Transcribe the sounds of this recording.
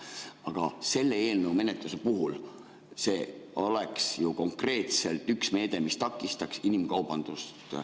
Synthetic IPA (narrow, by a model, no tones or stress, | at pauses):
ɑɡ̥ɑse̞lːe̞eːlnəume̞net̪luse̞puɦul | se̞ːo̞leksjuko̞ŋkre̞ːt̪se̞lt̪ˑyksme̞ːd̪̥e̞mist̪ɑkːˑist̪ɑksinimkɑwb̥ɑnd̪̥ust̪